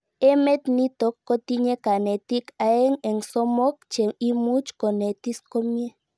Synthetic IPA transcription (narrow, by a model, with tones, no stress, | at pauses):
e˦me˦t̪ni˦t̪o˨kːo˦t̪i˦ɲe˦ka˨ne˨t̪i˦ka˨e˦ŋe˨ŋso˦mo˦k̚t͡ʃe˨i˦mu˦t͡ʃko˨ne˨t̪i˦sko˦mi˦e˦